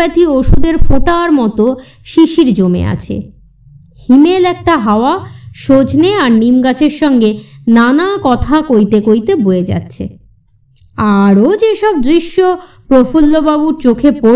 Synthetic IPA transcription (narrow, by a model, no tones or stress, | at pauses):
ɛt̪ʰioʃud̪eɾfoʈaɾmɔt̪o | ʃiʃiɾd͡ʑomḛa̰t͡ɕʰḛ | himelɛk̚ʈaɦaoaʃod͡ʑneaɾnimɡat͡ɕʰeɾʃɔŋɡenanakɔt̪ʰakojt̪ekojt̪eboed͡ʑa̰tːɕʰḛ | aɾod͡ʑeʃɔb̚d̪ɾiʃːo | pɾofulːobabuɾt͡ɕokʰepo